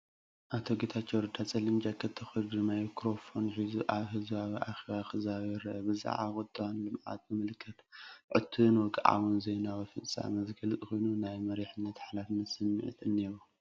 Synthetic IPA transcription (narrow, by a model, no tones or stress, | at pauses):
ʔat̪ʰoɡet̪ʰat͡ʃːoɾɨd̪ʰat͡sʼɐlɨmd͡ʒakʰːɐt̪ʰːɐxoɾɡɾimajkʰɾo̞fonħizuʔaβɦɨzβaβiʔaxeβaxɨzaβiɾɐʔɐbɨza̰ʕaxʼɨt̪ʼːɨwanlɨmʕa̰t̪̚bɨmɨlɨkʰːɐt̪ʕɨ̰t̪ʰːunwɔkɨʕa̰βunzejnawɐfɨt͡sʼa̰mɐzkʰɐlɨt̪ʼko̞jnunajmɐɾeħɨnːɐt̪ħalafɨnːɐt̪sɨmːɨ̰ʕɨ̰t̪ʰɨnːeɾu